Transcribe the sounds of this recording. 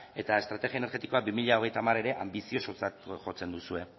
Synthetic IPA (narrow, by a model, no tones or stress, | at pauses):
e̞t̪ae̞st̪ɾat̪e̞ɣiaene̞ɾɣe̞t̪iko̞abimiʎao̞ɣ̞e̞jt̪amare̞ɾe̞ʔambisio̞so̞t͡sat̪ʝo̞t͡se̞nd̪usue̞